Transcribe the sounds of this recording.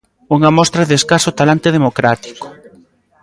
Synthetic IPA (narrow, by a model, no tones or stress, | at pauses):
uŋɐmɔst̪ɾɐðeskasʊt̪alant̪eðemokɾat̪i̥ko̥